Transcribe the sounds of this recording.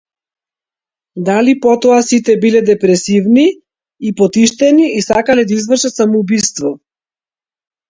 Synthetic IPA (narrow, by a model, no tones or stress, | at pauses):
d̪alipɔt̪ɔasit̪ɛbilɛd̪ɛpɾɛsivni | ipɔt̪iʃt̪ɛniːsakalɛd̪aizvr̩ʃat̪samɔubist̪vɔ